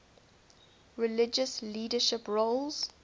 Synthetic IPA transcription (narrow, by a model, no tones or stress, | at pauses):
ɹɪlɪd͡ʒəsliːdəʃɪpɹolz̥